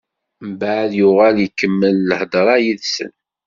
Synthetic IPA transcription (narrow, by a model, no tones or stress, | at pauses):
mbaʕðjʊʁæljəkːəmːəlːəhd̪ɾˤɑjiðsə̰n